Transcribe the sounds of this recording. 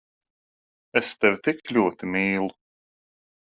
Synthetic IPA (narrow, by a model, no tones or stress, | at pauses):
ɛst̪ɛvʲt̪iklʲuɔt̪imiːlˠu